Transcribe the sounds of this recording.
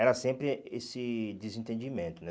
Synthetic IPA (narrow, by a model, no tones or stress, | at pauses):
ɛɾɐsẽmpɾɪesɪd͡ʒ̪ɪzĩnt̪ẽnd͡ʒimẽnt̪ʊnɛ